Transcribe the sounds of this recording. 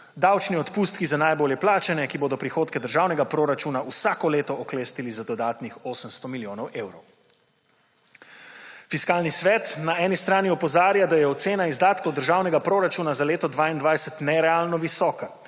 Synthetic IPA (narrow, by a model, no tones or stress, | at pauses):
d̪awt͡ʃniɔt̪puːst̪̚kizanajboːljɛplaːt͡ʃɛnɛkiboːd̪ɔpɾixoːt̪kɛd̪əɾʒaːwnɛɡapɾoːɾat͡ʃuːnausakɔleːt̪ɔʔɔkleːst̪ilizad̪ɔd̪aːt̪nixoːsəmst̪ɔmiljoːnɔwʔeːwɾɔw | fiskaːlnisʋɛt̪naɛːnist̪ɾaːniɔpɔzaːɾjad̪ajɛɔt̪seːnaizd̪aːt̪kɔwd̪əɾʒaːwnɛɡapɾoːɾat͡ʃunazaleːt̪ɔd̪ʋaːind̪ʋajsɛt̪nɛɾɛaːlnɔʋisɔːka